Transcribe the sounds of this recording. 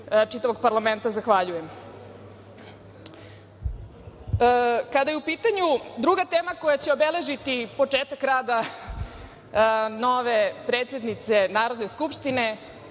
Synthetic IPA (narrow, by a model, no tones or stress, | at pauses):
t͡ʂit̪aʋo̞ɡ̚paɾlˠament̪azaxʋaʎujem | kad̪ajeupiːt̪aɲud̪ɾuɡat̪eːmako̞jat͡ɕeo̞bele̞ʒit̪ipo̞t͡ʂeːt̪akɾaːd̪a | no̞ʋe̞pɾeːt̪sʲje̞d̪nit̪se̞naːɾod̪ne̞skupʂt̪ine̞